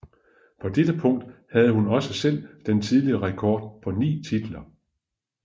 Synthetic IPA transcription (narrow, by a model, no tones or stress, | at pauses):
pʰɒ̽d̥edəpʰɔ̽ŋ̰d̥hæð̞̩ˠəhunɒ̽səsel̰d̥ent͡sʰið̞ˠliɐʁɛkʰɒːd̥̚pʰɒ̽nḭːt͡sʰid̥l̩ɐ